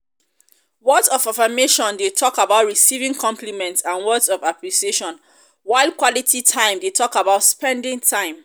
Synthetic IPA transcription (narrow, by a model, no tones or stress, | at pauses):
wɔdsɔfafameʃɔ̃ndetʰɔkabaʊtɹisivĩŋkʰɔ̃mplimɛ̃ntsãnwɔdsɔvaplisieʃɔ̃n | waɪld̚kwɔlitʰitʰãɪ̃mdetʰɔkabaʊtspɛ̃ndĩŋtʰãɪ̃m